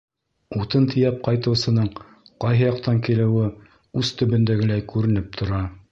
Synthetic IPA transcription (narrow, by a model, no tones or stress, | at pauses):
ut̪ɤnt̪ʰĭjæp̚qɑjt̪ɤ̆wsɤ̆nɤɴ | qɑjɦɤjɑq̚t̪ɑŋkilɘ̆wɘ | ʉzt̪ɵ̆βɵ̆nd̪æɡɘ̆læjkʉɾɘ̆nɘp̚t̪ʰŏɾɑ